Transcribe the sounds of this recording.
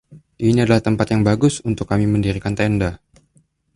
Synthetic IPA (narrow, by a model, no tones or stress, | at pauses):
ʔiniadalaht̪əmpat̪jaŋbaɡʊsunt̪ʊkːamiməndiɾikant̪ɛnda